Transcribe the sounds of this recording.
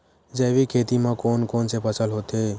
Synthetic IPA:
d͡ʒeːʋikʰeːt̪imãːkoːnkoːnsepət͡ʃʰəlɦot̪eː

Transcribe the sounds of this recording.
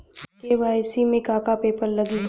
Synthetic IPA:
keʋaːjsimẽkaːkapeːpəɾlɐɡi

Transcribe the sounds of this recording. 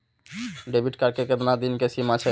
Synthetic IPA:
ɖebʱiʈkaɾkeked̪nad̪inkesimat͡ʃʰɛ

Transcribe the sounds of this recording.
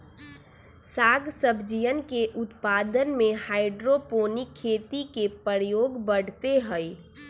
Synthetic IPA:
saːɡsəbʱd͡ʒijənkeʔʊt̪pad̪ənmehaːɪɖɾopoːnikʰːeːt̪ikepəɾjoːɡbəɽ̤t̪eɦəj

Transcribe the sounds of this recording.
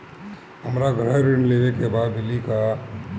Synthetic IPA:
ɦəmɾaɡɾəɦɾɪɳleʋekebad̪bɪlika

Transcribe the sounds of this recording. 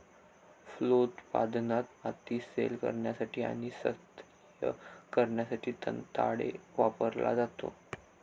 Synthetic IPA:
flot̪pa̰d̪nat̪mat̪iːsḛlkə̰ɾɳjasaʈʰiːa̰ɽ̃isət̪ | jəkəɾɳjasaʈʰiːt̪ə̰nt̪a̰ɽeʋapəɾla̰d͡zat̪o̰

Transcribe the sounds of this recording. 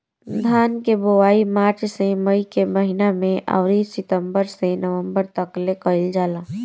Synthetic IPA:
d̪ʱaːnkebowaːimaːɾt͡ʃseməikeməɦinamẽʔa̰ːʊɾisɪt̪əmbəɾsenəʋə̃mbəɾt̪əklekəɪld͡ʒaːla

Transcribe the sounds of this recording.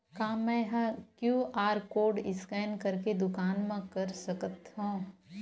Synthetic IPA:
kaːmɛ̃ːɦkjuːʔaːɾkoːɾɖɪskɛːnkɐɾked̪ʊkaːnmẽkɐɾsɐkət̪ɦũː

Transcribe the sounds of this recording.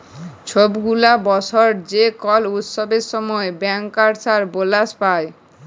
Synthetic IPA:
t͡ɕʰobɡulabɔt͡ɕʰoɾd͡ʑekɔlut̪sʃobeɾʃɔmɔebɛŋkːaɾsaɾbolaspae

